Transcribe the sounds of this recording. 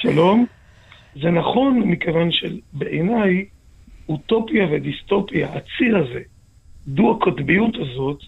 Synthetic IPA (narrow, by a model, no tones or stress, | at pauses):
ʃalo̞m | zenaχo̞nmikevanʃelbeʔenaj | ut̪o̞pjavedisto̞pijaat͡siʁaze̞ | d̪uakʰotbijut̪azo̞t̪